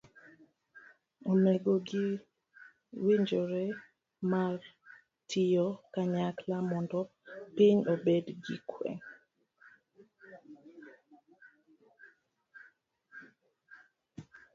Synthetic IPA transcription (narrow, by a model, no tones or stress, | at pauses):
omɛɡoɡi | wiɲd͡ʒoɾɛ | mar | tʰijokaɲaklamɔndɔ | piɲobedɡikʰwɛ̰ŋ